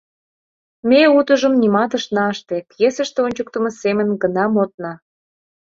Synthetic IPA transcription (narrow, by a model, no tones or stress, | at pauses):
mʲeut̪ə̆ʒə̆mnimɑt̪ə̆ʃnɑəʃt̪ekjesə̆ʃt̪eonʲt͡ɕuk̚t̪ə̆mɤ̆semə̆nɡə̆nɑmot̪̚nɑ